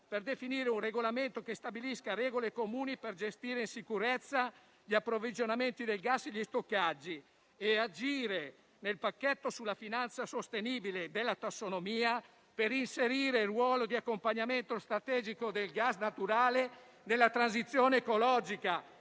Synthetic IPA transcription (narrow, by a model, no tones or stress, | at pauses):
perd̪efiniːɾeunreɡolament̪okest̪abiliskaɾɛːɡolekomuːniperd͡ʒest̪iːɾeinsikuɾet̪sːa | ʎiapːɾovid͡ʒonament̪id̪elɡasːeʎːist̪okːad͡ʒːi | ead͡ʒiːɾe | nelpakːet̪ːosulːafinant̪sasost̪eniːbiled̪elːat̪asːonomiːa | peɾinseɾiːɾerːwɔːlod̪iakːompaɲːament̪ost̪ɾat̪ɛːd͡ʒikod̪elɡasnat̪uɾaːle | d̪elːat̪ɾansit̪sːjoːneːkolɔd͡ʒika